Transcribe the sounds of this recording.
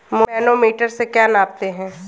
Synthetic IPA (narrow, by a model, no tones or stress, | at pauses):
moɛːnomiːʈəɾsekjaːnaːp̚t̪eɦɛ̃ː